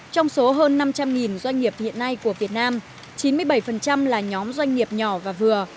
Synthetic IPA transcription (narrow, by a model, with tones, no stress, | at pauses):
t͡ɕɔ˧wŋ͡mso˨˦ɦəː˧nːa˧mt͡ɕa˧mŋi˨˩nzwa˧jŋ̟ŋi˨˩əp̚hḭ˧˨ənːa˧jku˧˩əvi˨˩ət̚naː˧m | t͡ɕi˨˦nmɨ˧əjɓə˧˩jfə˨˩nt͡ɕa˧mlaː˨˩ɲɔ˨˦mzwa˧jŋ̟ŋi˨˩əp̚ɲɔ˧˩vaː˨˩vɨ˨˩ə